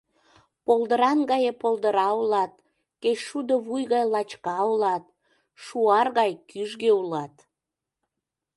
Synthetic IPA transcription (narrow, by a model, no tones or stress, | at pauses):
polˠd̪əɾɑnɣɑjepolˠd̪əɾɑulɑt̪̚ | ket͡ɕʃud̪oβujɣɑjlɑt͡ɕkɑulɑt̪ | ʃuɑrɣɑjkyʒɣeulɑt̪